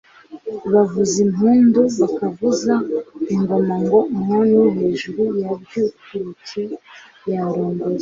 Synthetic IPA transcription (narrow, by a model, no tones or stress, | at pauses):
βavuzimɦuːnduβakavuzaiŋɡo̞maŋɡo̞mŋonuɦe̞ːʒuɾujabjukuɾitʰe | jaɾoːŋdoɾe